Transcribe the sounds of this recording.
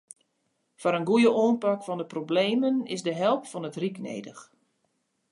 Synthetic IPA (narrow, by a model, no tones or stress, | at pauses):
fɔɾənɡujəʔoːnpakfɔndəprobleːmənɪzdəɦɛlˠpfɔnətriknḛːdəx